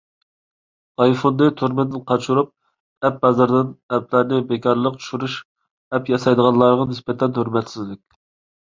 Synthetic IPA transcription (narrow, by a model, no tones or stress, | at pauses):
ɑjfond̪ɨt̪ʰuɾmɪd̪ɪnqʰɑt͡ʃʰuɾup̚ | ɛp̚bɑzɨɾd̪ɪnɛplæɾnɪbekʰʲɑɾlˠəqt͡ʃʰu̥ʃyɾuʃ | ɛpjɑsɑjd̪əʁɑnlˠɑɾʁɑnɪspɛt̪ʰːɛnøɾmɛt̪sɪzlɪkʲ